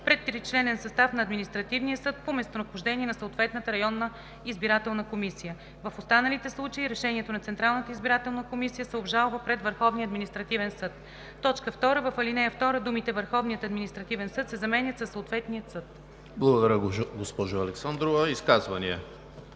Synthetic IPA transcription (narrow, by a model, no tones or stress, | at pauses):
pɾɛt̪ːɾit͡ʃlɛnɛnsɐst̪afnɐːd̪minist̪ɾɐt̪ivnijəsɤt̪̚pomɛst̪onɐxʊʒd̪ɛniɛnɐsoːt̪vɛt̪nət̪əɾɐjɔnːə | izbiɾat̪ɛlˠnəkomisijə | vəfost̪anəlit̪ɛslˠut͡ʃəiɾɛʃɛniɛt̪onɐt̪sɛnt̪ɾalˠnət̪əizbiɾat̪ɛlˠnəkomisijəsɛobʒalˠvəpɾɛd̪vəɾxɔvniəɐd̪minist̪ɾɐt̪ivɛnsɤt̪ | t̪ːɔt͡ʃkəft̪ɔɾəvɐfɐlinɛjəft̪ɔɾəd̪umit̪ɛvəɾxɔvnijət̪ɐd̪minist̪ɾɐt̪ivɛnsɤt̪sɛzɐmɛnʲjət̪səsːoʊt̪vɛt̪niət̪sɤt̪ | blˠəɡʊd̪ɐɾʲəɡospɔʒʊɐlɛksand̪ɾovɐiskazvɐniɛ